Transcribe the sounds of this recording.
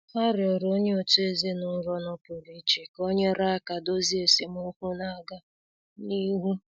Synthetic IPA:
ha˦ɾɪ˨ɔ˨ɾo˦ɲe˦ɔ˨tʊ˦e˨ze˦nʊ˦ɾɔ˦nɔ˦pʊ˨ɾi˦t͡ʃe˨ko˦ɲe˦ɾa˦˨ka˨do˦zi˦e˨se˦mʊ˦kʷu˦na˦˨ɡa˦ | ni˦ɦu˦

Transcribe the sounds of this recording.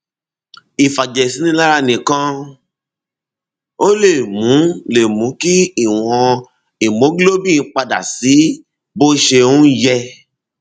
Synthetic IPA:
i˨fa˨d͡ʒɛ˨si˨˦nĩ˦la˦ɾa˦˨nĩ˨kã˧˦ | o˦le˦˨mũ˨˦le˨mũ˨˦ki˦i˦˨w̃ɔ̃˧ | i˨mo˨˦ɡlo˦bĩ˦˨˧k͡pa˧da̰˨si˨˦ | bo˦ʃe˧ũ˦jɛ˧

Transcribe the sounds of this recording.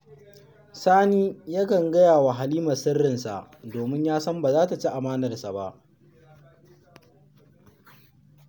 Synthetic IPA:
saː˦niː˦ja˦kɐ˨ŋɡɐ˦jaː˨wa˨ɦa˨liː˦mɐ˨sɪ˦rːɪ˨nsa̰˨ʔdoː˨mɪ˦ɲjaː˦sɐ˦mbaː˨zaː˦ta˨t͡ʃi˦ʔa˨maː˦nɐ˨rsa˨ba˦ʔ

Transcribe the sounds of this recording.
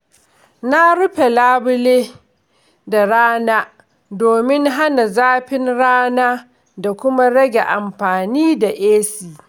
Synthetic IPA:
na˦ɾʊ˦ɸe˨laː˦bʊ˦leː˦ | da˨ɽaː˦naː˦ | doː˨mɪ˦ŋɦa˦na˨zaː˦ɸɪ˦nɽaː˦naː˦ | da˨kʷʊ˦ma˦ɽɐ˦ɡʲe˨ʔa˨mɸaː˨niː˦da˨ʔeː˦siː˨

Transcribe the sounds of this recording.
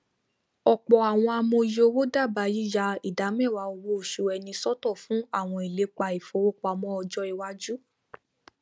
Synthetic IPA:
ɔ˨k͡pɔ˨a˨w̃ɔ̃˧a˧mõ˧jo˧wo˦da˦˨ba˧ji˦ja˧i˨da˨˦mɛ̃˦˨wa˨˧o˧wo˧˦o˨ʃu˨ɛ˧nĩ˧sɔ˦tɔ˦˨fũ˨˦a˦˨w̃ɔ̃˧i˨le˨˦k͡pa˧i˨fo˧˦wo˦k͡pɔ˧a˧mɔ̃˦ɔ˧d͡ʒɔ˧i˨wa˧˦d͡ʒu˦

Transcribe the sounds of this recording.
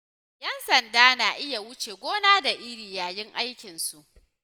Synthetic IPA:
jɐ˦nsɐ˨ndaː˦naː˨ʔɪ˦ja˨wʊ˦t͡ʃeː˨ɡʷoː˦naː˦da˨ʔɪ˦ɽiː˨jaː˨jɪ˦ŋʔa˦jkʲɪ˨nsu˨ʔ

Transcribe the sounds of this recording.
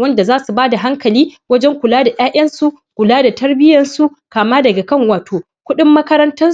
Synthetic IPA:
wɐ˦nda˨zaː˦su˨baː˦da˨ɦa˦ŋkɐ˨liː˦wɐ˦d͡ʒɛ˦ŋkʷʊ˨laː˦da˨j̰aː˦ʔɐ˦nsu˦ʔ | kʷʊ˨laː˦da˨tɐ˦rbɪ˦jɐ˨nsu˦ | kaː˨maː˦dɐ˨ɡa˨kɐ˦˨ŋwaː˨toː˨ | kʷʊ˦ɗɪ˦mːɐ˦kɐ˦ɾɐ˦ntɐ˦n

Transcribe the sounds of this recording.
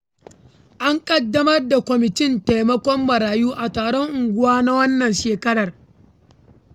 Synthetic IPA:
ʔa˦ŋkʼɐ˦dːɐ˦mɐ˦rda˨kʷɔ˨mɪ˨tɪ˦nta˨jmɐ˦kʷɔ˦mːɐ˨ɾaː˨juː˦ʔa˨taː˨ɽɔ˦ŋʔʊ˨ŋɡʷʊ˦waː˦na˦wɐ˦nːɐ˨nʃeː˨kɐ˦ɽɐ˨r

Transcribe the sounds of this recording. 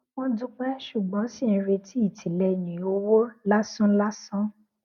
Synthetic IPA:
wɔ̃˦dũ˦k͡pɛ˦ʃu˨ɡ͡bɔ̃˨˦si˦˨n̩˨˧ɾe˧tʰi˦i˦˨tʰi˨lɛ˧jĩ˨o˧wo˦la˦sũ˦la˦sɔ̃˦

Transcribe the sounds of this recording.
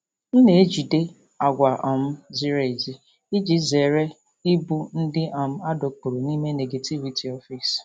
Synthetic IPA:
n̩˦ne˨e˦d͡ʒi˨de˦ | a˨ɡʷa˨ʔɔ˨m̩˦zi˦ɾe˨e˨zi˦ | i˦d͡ʒi˦ze˨ɾe˦ | i˦bu˦n̩˦dɪ˦ʔa˨m̩˦a˦do˨k͡pu˨ɾo˨ni˦me˦ne˨ɡe˨tʰi˦vi˨tʰi˨ɔ˦fi˨s

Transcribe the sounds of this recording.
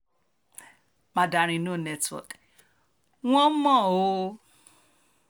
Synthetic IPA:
mã˧da˨ɾ̃ĩ˧nõ˦˨nɛ˧twɔ̰˨k | w̃ɔ̃˦mɔ̃˦˨o˧˦

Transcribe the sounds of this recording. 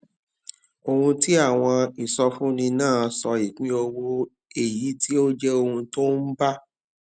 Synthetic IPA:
o˨hũ˧ti˦a˦˨w̃ɔ̃˧i˨sɔ˧fũ˦nĩ˧nãː˦˨˦sɔ˧i˨kĩ˨˦o˧wo˧ | e˦˨ji˨˦ti˦o˦d͡ʒɛ˦o˧hũ˧to˦n̩˦ba˦

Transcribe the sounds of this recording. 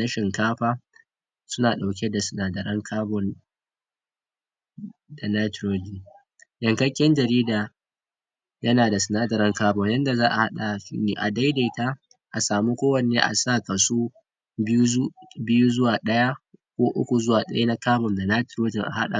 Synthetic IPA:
nɐ˦ʃɪ˨ŋkaː˦ɸaː˦ | sʊ˦naː˨ɗa˨wk̬ʲe˦da˨sɪ˨naː˦dɐ˨ɾɐ˦ŋkʰaː˦bɔ˨n | da˨na˦tɾoː˦d͡ʒi˨ŋ | jɐ˨ŋkɐ˦kʲːɛ˦nd͡ʒɐ˨ɾiː˦daː˨ | jɐ˦naː˨da˨sɪ˨naː˦dɐ˨ɾɐ˦ŋkaː˦bɔ˨ŋjɐ˦nda˨zaː˦ʔa̰˨ha˦ɗa˨ʃḭː˦neː˨ʔa˨da˦jda˨ta˦ | ʔa˨saː˨mu˦kʷoː˦wɐ˨neː˦ʔa̰˨sa˦˨kɐ˨su˦ | bbɪ˦ju˦zʊ˦waː˨ɗɐ˦ja˦kʷoː˦ʔʊ̰˦kʷu˨zʊ˦waː˨ɗɐ˦ja˦na˦kaː˦bɔ˨nda˨na˦jtɾoː˦d͡ʒɪ˨ŋʔa̰˨ha˦ɗa̰˨

